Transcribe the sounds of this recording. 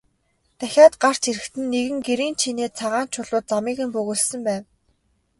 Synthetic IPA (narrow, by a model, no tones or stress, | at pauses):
t̪æxʲaːt̪ɢar̥t͡ɕʰiɾɘ̆kt̪ɘ̆nːeɣɘ̆ŋɡeɾiːnt͡ɕʰineːt͡sʰaʁaːnt͡ɕʰʊɮʊːt̪̚t͡samiːɣɘ̆mpɵɣɵːɮsɘ̆mpæːn